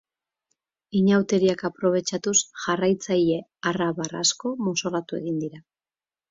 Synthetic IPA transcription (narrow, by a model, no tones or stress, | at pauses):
iɲawt̪e̞ɾiakapɾo̞β̞e̞t͡ʃat̪usʝarajt͡saje̞araβara̰sko̞moso̞lat̪ue̞̰ɣind̪iɾa